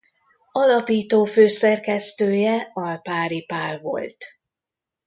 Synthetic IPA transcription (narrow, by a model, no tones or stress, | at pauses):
ɒlɒpiːt̪oːføːsɛrkɛst̪øːjɛɒlpaːɾipaːrvo̞̰lt̪